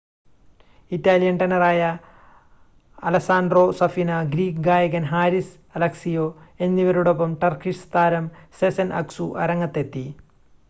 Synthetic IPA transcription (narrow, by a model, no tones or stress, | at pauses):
itːaːlijɐɳʈɐnɐraːjɐ | lɐsaːnɖro̞sɐfinɐɡɾiːkɡaːjɐɣɐnɦaːɾis | ɐlɐksijoːe̞nːiʋɐɾuɽop̬ːɐmʈɐrkiʂst̪aːɾɐmsesɐnʔɐ̰ksuʔɐ̰ɾɐŋːɐt̪ːe̞t̪ːi